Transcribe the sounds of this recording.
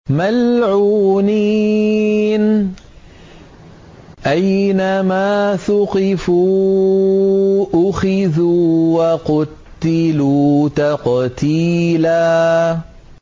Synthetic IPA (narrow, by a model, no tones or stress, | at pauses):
malʕuːniː | n | ʔajnamaːθʊqɪfuː | ʔʊxɪðuːwaqʊtt̪ːɪluːt̪aqt̪iːlaː